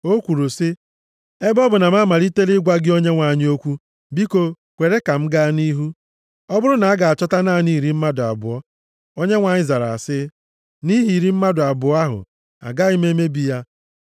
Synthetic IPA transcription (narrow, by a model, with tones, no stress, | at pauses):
o˦kʷu˨ɾu˨sɪ˦ | e˦bɔ˦bʊ˨na˨ma˦ma˨ɾi˦te˦lɪ˦ɡʷa˦ɡɪ˦o˦ɲe˦ŋʷa˨ɲɪ˦o˦kʷu˦ | bi˦ko˨ | kʷe˨ɾe˦ka˨m̩˦ɡa˦ni˦ɦu˦ | ɔ˦bʊ˦ɾʊ˦na˨a˦ɡa˨a˨t͡ʃɔ˦ta˦naː˦˨niː˦˨ɾi˦m̩˦ma˦dʊ˨a̰˨bʊ̰˨ɔ˦ | o˦ɲe˦ŋʷa˨ɲɪ˦za˨ɾa̰˨a˨sɪ˦ | ni˦ɦi˨ɾi˦m̩˦ma˦dʊ˨a˨bʊ˨˦a˦ɦʊ̰˨ | a̰˨ɡa˦i˦me˦me˦bi˦ja˦